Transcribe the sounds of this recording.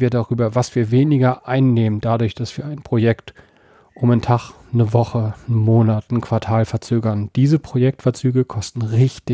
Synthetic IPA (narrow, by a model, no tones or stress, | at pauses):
viːɐdaʁyːbɐvasv̥iːɐveːnɪɡɐʔaɪnːeːmənd̥adʊɐçd̥asv̥iːɐaɪnpʁ̥ojɛkt | ʔʊmantʰaχ | nəvɔχən̩moːnatn̩kʰv̥aɐtʰaːlfɛɐt͡søːɡɐnd̥iːzəpʁ̥ojɛk̚tfɛɐt͡syːɡəkʰɔstn̩ʁɪçtɪ